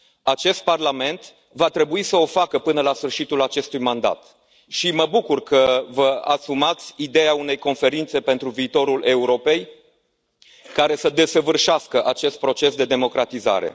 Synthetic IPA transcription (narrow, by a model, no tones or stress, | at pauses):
at͡ʃe̞st̪̚parlame̞nt̪ | vat̪ɾe̞buisəo̞fakəpɨnəlasfɨrʃit̪ulat͡ʃe̞st̪ujmand̪a̰t̪ | ʃiməbukurkəvəa̰sumat̪sʲid̪e̞jaune̞jko̞nfe̞ɾint̪se̞pe̞nt̪ɾuviːt̪o̞ɾule̞uɾo̞pe̞j | kaɾe̞səd̪e̞səvɨrʃaskəʔat͡ʃe̞st̪̚pɾo̞t͡ʃe̞sd̪e̞d̪e̞mo̞kɾat̪iza̰ɾe̞̰